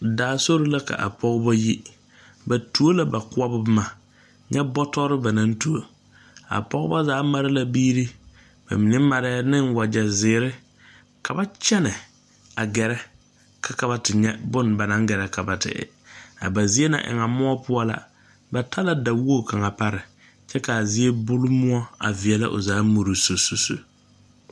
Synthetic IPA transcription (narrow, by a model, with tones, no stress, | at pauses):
daː˨˦˨so˦ɾo˦la˦ka̰˨ʔa̰˨pʰɔ˦ɣba˦ji˦ | ba˨tu˨o˦la˦ba˨kʊ˦a˦bʊ˦bma˨ | ɲɛ˦bɔ˦tɔ˦ɾɪ˦ba˨nã˦n˦tu˨o˨ | a̰˨pɔ˦ɣba˦zaː˨˦ma˦ɾɪ˦la˦biː˦ɾi˦ | ba̰˨mi˨ne˦ma˨ɾɛ˦nɪ˦ŋwa˨d͡ʒɛ˨zɪː˨˦ɾɪ˦ | kʰa˨ba˦t͡ʃɛ˦nɛ˨ | a˨ɡɛ˨ɾɛ˦ | kʰa˦ka˨ba˨tɪ˨ɲɛ˦bʊ˦n˨ba˨nã˨˦ŋ˦ɡɛ˨ɾɛ˨kʰa˨ba˨tɪ̰˨ɪ̰˨ | a̰˨ba˨zi˦e˦nã̰˨ʔɪ̰˨ŋa˨mʊ˦ɔ˦pʊ˦ɔ˦la̰˨ | ba˨tʰa˦la˦da˨wo˦˨kʰa˨ŋa˨pa˦ɾɪ˨ | t͡ʃɛ˦ka˨a˨zi˦e˦bʊ˦lʊ˦mʊ˦ɔ˦a̰˨vɪ˨ɛ˨la̰˦ʔo̰˨zaː˨˦mo˨ɾu˨so˨so˨so̰˨